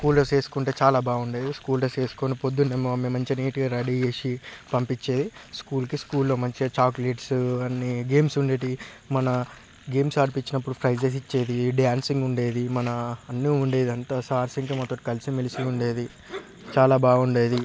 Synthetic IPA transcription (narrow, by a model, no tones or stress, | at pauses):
skuːlɾoːt͡ʃe̞ːsu̥kuɳʈe̞ːt͡ʃaːlaːbaːɡuɳɖeːd̪iskuːlɾoːt͡ʃe̞ːsu̥konipod̪ːunemːomemɐɲt͡ʃiniːʈiɾɐɽieːʃipɐmpit͡ʃːeːd̪iskuːlkiskuːlːoːmɐɲt͡ʃit͡ʃaːkleʈsɐnːiɡe̞ːmsuɳɖe̞ːʈi | mɐnɐ | ɡe̞ːmsaːɽipit͡ʃːinɐp̬ːuɽupʰɾɐjd͡ʒes̬it͡ʃːe̞ːd̪iɖjaːnsiŋɡuɳɖe̞ːd̪imɐnɐːnːiuɳɖe̞ːd̪iɐnt̪asaːɾsiŋk̬imɔt̪ːɐʈːikɐlisimilisiuɳɖe̞ːd̪i | t͡ʃaːlaːbaːɡuɳɖe̞ːd̪i